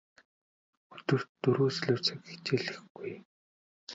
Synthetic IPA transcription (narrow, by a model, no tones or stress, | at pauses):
ɵt̪ɵ̆r̥t̪ːɵɾuːsɮuːwʰt͡sɘ̆kxe̥t͡ɕeːɮɘ̆xɡ̥uj